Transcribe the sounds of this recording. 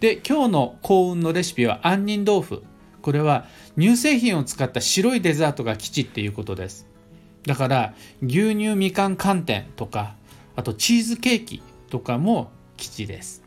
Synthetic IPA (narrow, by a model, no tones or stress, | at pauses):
d̪̥e̞kʲo̞ːno̞kʰo̞ːɯ̟̃nːo̞ɾe̞ɕi̥pʲiβa̰ʔãɲ̟ːĩnd̪o̞ːɸɯ̟̰ | ko̞ɾe̞β̞a | ɲ̟ɨːse̞ːçĩɰ̃o̞t͡sɨ̥kat̪ːaɕiɾo̞id̪e̞zaːt̪o̞ɡakʲi̥t͡ɕit̪ːe̞jɯ̟ːko̞t̪o̞d̪e̞sɨ̥ | d̪akaɾaɡʲɨːɲ̟ʲɨːmʲikãŋkʰãnt̪ẽ̞̰nt̪o̞ka | at̪o̞t͡ɕiːzɨke̞ːkʲḭ | t̪o̞kamo̞ | kʲi̥t͡ɕid̪e̞̰sɨ̥